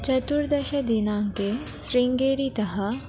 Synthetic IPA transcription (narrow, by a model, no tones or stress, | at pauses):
t͡ʃɐt̪uɾd̪ɐʃɐd̪inãːŋkesɾɪ̃ŋɡeːɾit̪ɐɦɐ